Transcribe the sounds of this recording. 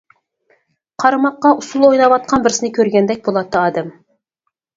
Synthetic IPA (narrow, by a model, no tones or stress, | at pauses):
qʰɑɾɑmɑqːɑʔʊsulˠojnɑwɑt̪̚qʰɑnbɪɾsɪnɪkʲʰøɾɡʲɛnd̪ɛk̚ʲbolˠɑt̪ʰːəɑːd̪ɛm